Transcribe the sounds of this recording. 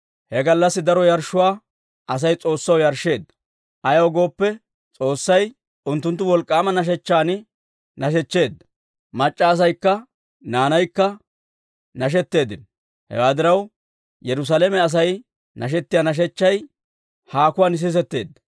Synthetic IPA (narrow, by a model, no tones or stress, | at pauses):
hɛɡɐlːɐsːɪd̪ɐɾɔjɐɾʃːʊwaː | ʔɐs̬ɐjt͡sʼo̞ːsːɐwjɐɾʃːe̞ːd̪ːɐ̥ | ʔɐjɐwɔɡo̞ːpːɛ | t͡sʼo̞ːsːɐj | ʊnt̪ːʊnt̪ːʊwɔlkʼːaːmɐnɐʃ̬ɛt͡ʃːaːnɪ | nɐʃɛt͡ʃːe̞ːd̪ːɐ̥ | mɐt͡ʃʼːaːs̬ɐjkːɐ | naːnɐjkːɐ | nɐʃ̬ɛt̪ːe̞ːd̪ɪn | hɛ̰waːd̪ɪɾɐw | jɛɾʊs̬alemɛɐs̬ɐj | nɐʃ̬ɛt̪ːɪjaːnɐʃ̬ɛt͡ʃːɐj | haːkʊwaːnɪs̬ɪs̬ɛt̪ːe̞̰ːd̪ːɐ̥